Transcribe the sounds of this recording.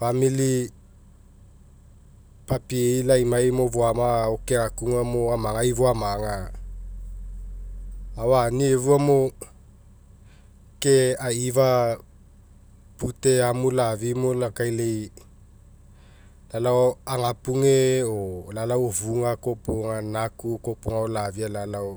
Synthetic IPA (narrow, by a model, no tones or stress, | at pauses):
famili | papieilajmajmovoamaokeŋakuŋamoamaŋaivoamaŋa | awanievuamo | keaiva | puteamulavimolakajlej | lalaoaŋapuŋeolalawovuŋakopoŋanakukopoŋaolavialalao